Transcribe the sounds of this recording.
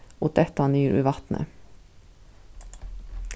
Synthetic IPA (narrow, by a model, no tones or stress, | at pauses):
ʔoːt̪̚d̪ɛt̪ɑnyːɾʔʉ̰ːʋɑt̪nʔə̰